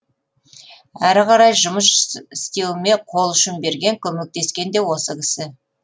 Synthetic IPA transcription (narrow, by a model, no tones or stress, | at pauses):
æɾqʰɑɾɑjʒʊməsɪst̪ilme̞qʰo̞lˠʏʃɪnbe̞ɾɡʲe̞ŋkʲʰɵme̞k̚t̪e̞skʲe̞nd̪e̞wo̞səkʲʰɪ̥sɪ